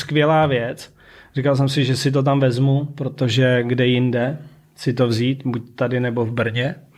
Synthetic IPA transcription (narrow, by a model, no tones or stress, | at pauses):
skvɪjɛlaːvjɛt͡s | rikals̬ɛmsɪʒɛsɪt̪̬o̞t̪̬amvɛzmupɾot̪oʒɛɡdɛjɪndɛ | sɪt̪o̞vziːt̪buc̚t̪adɪnɛbo̞vbr̩ɲɛ